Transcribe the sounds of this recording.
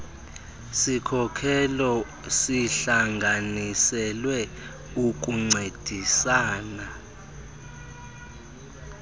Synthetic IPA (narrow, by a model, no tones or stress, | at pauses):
sikʰɔkʰɛlɔ | siɬaŋɡʱanisɛlwɛ | uk̬ʼuŋ͡ǀed̥ʱisaːna